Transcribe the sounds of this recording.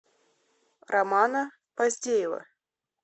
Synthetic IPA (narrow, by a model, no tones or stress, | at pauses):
rɐmanə | pɐzʲdʲejɪvə̰